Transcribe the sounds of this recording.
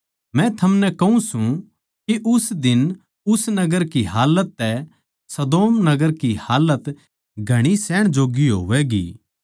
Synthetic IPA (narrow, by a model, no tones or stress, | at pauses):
mɛ̃t̪ʰɐmnɛkɐɦũsũ | kiʔʊsd̪ɪn | ʊsnɐɡəɾkiɦaːlət̪ːɛ | sɐd̪oːmnɐɡəɾkihaːlət̪ | ɡʱɐɽ̃isɛːɽ̃d͡ʒoːɡiɦo̰ʋɛɡḭː